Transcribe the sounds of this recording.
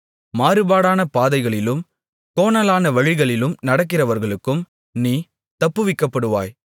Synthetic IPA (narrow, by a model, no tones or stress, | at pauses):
maːɾɯbaːɽaːnɐpaːðɐɪɣɐɭɪlɯm | koːnɐlaːnɐʋɐɻɪɣɐɭɪlɯmnɐɽɐk̬ːɪrɐʋɐɾɣɐɭɯkːɯm | niː | t̪ɐpːɯʋɪkːɐpːɐɽɯʋa̰ːj